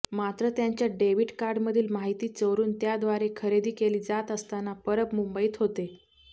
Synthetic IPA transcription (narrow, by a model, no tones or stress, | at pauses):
mat̪ɾət̪jaɲt͡ɕjaɖeʋiʈkaɾɖməd̪ʱiːlmaɦit̪iːt͡səʋɾuːnt̪jad̪ʋaɾekʰəɾed̪ʱiːkeliːd͡zat̪əst̪anapəɾəpmumbəiːt̪ɦot̪e